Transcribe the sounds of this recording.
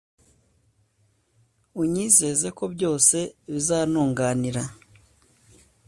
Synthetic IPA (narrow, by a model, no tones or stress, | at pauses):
uɲiːze̞ze̞ko̞bjo̞ːse̞βizaːnuːŋɡaːniɾa